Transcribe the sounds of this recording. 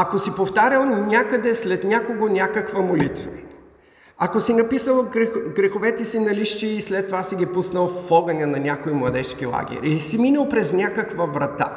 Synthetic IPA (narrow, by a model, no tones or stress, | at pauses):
ɐkosipoft̪aɾʲəlˠnʲakəd̪ɛslɛt̪nʲakoɡonʲakəkvəmolit̪və̰ | ɐkosinɐpisəlˠɡɾɛxovɛt̪ɛsinɐliʃt͡ʃiːslɛt̪ːovasiɡʲipusnɐlˠfɔɡɐnʲɐnɐnʲakoimlˠɐd̪ɛʃkilˠa̰ɡ̟ʲɛ̰ɾʲisiminɐlˠpɾɛznʲakəkvɐvɾɐt̪a̰